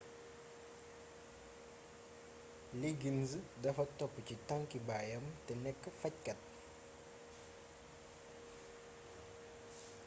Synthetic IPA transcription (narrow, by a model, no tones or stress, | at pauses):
liɡinzdɐfɐtɔpːəcitaŋkibaːjɐmtɛnɛkːəfɐc̚kɐt̚